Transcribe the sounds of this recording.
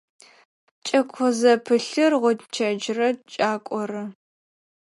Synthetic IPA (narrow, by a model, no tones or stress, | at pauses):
t͡ʃʼɐkʷʰɔzɐpʰɨɬɨrʁʷʊtt͡ʃʰɐd͡ʒrɐt͡ʃʼaːkʷʼɔrɨ